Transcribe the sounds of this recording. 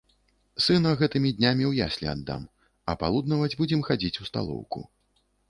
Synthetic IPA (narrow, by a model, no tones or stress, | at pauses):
sɨnɐɣɛt̪ɨmʲid̪ʲnʲamʲiwjasʲlʲɛ̰ad̪ːa̰m | ɐpalˠud̪nɐvɐd͡zʲbud͡zʲɛmxad͡zʲit͡sʲust̪a̰lˠɔ̰wkṵ